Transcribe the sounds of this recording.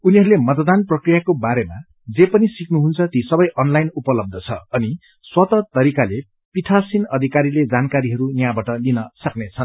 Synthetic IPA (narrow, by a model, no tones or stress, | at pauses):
uniɦʌɾulemʌt̪d̪anprʌkrijakobaɾema | d͡zepʌnisiknuɦunt͡sʰʌt̪isʌbʌjʔʌnlajnupʌlʌb̚d̪ʱʌt͡sʰʌ̰ʌni | swʌt̪ʌt̪ʌɾikale | pit̪ʰasinʌd̪ʱikaɾiled͡zankaɾiɦʌɾunjãbaʈʌlinʌsʌknet͡sʰʌn